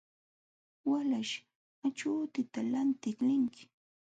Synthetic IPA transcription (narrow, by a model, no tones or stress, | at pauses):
walaʃ | at͡ʃuːt̪ɪt̪alant̪ɪklɪŋkɪ̥